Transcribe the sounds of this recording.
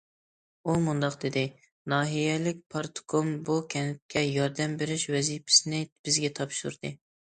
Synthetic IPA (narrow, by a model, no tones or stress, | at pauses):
umund̪ɑqd̪ɪd̪ɪ | nɑːɦijɛlɪk̚ʲpʰɑɾt̪ʰkʰombukʲʰɛnɪp̚kʲʰːɛjɑɾd̪ɛmbɪɾɪʃwɛzipʰɪ̥sɪnɪb̥ɪzɡʲɛt̪ʰɑpʃṵɾd̪ɨ